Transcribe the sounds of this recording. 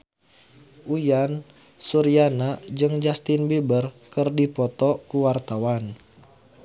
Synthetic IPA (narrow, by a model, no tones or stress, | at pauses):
ʔujan | suɾianad͡ʒɨŋd͡ʒast̪inbibərkərdipɔt̪ɔkuwart̪awan